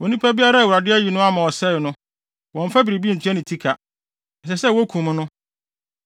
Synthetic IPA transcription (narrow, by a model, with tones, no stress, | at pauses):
wɔ˨nĩ˦pʰa˦bi˦a˦ɾa˦˨wu˨ɾa˨dɪ˦æ˦ji˨nʊ̃˦a˦mã˨ɔ˨sɛ˦˨nʊ̃˦ | wɔ̃˨ɱ˨fa˦bɾi˨bi˦n̩˨tʰᶣɛ˦nɪ̃˨tʰi˦kʰa˨ | ɛ˨sɛ˨sɛ˦˨wɔ˦kʰũ˨m˦nʊ̃˦